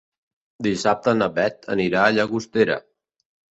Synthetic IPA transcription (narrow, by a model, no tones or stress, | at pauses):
d̪isap̚t̪ənəβɛt̪ə̰niɾaːʎaɣust̪eɾə̰